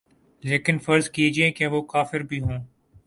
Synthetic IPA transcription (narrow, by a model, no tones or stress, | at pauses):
leːkɪnfəɾzkied͡ʒiẽkeʋoːkaːfɪɾbʱiːɦõː